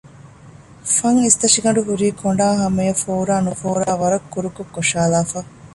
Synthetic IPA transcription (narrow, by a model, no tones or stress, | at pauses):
fɐŋist̪ɐʂiɡɐɳɖuɦuɾiːkʰoɳɖaːɦɐmejɐfoːɾaːnufoːɾaːʋɐɾɐkːuɾukokːoʃaːlaːfɐ